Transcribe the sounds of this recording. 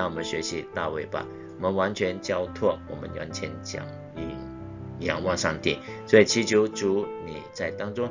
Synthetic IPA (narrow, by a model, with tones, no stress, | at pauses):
wɔ˨˩mə˦nɕɥɛ˧˥ɕi˧˦t̪a̰˥˧we˥˩ɪpa̰˨˦ | wɔ˨mə˧˦nwa˧˥nt͡ɕʰɥɛ˧˥nt͡ɕjɑ˥ʊt̪ʰwɔ˥˩wɔ̰˨˩mə̰˦nja̰˧˥nt͡ɕʰjɛ˧˥nt͡ɕjɑ̰˨˩ŋ | i˨˩ | jɑ˨˩ŋwɑ˥˧ŋʂɑ˥˧ŋt̪ḭ˥˩ | swɔ˧˥i˨˩t͡ɕʰi˧˥t͡ɕʰjo˧˥ʊʈ͡ʂu˧˥˦nḭ˨˩t͡sa˥˩ɪt̪ɑ˥ŋt͡sʊ˥ŋ